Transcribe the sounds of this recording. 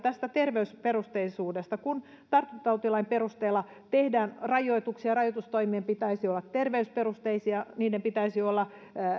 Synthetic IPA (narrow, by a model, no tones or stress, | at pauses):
t̪æst̪æt̪erʋeysperust̪eisuːdest̪ɑkun | t̪ɑrt̪ːut̪ɑut̪ilɑimperust̪eːlːɑ | t̪ehdæːnrɑjoit̪uksiɑrɑjot̪ust̪oimiempit̪æisiolːɑt̪t̪erʋeysperust̪eisiɑniːdempit̪æisiolːɑ